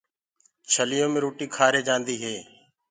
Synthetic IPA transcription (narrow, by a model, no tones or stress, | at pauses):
t͡ʃʰəlɪjõːmẽːɾoːʈiːkʰaːɾeːd͡ʒãːnd̪iːɦeː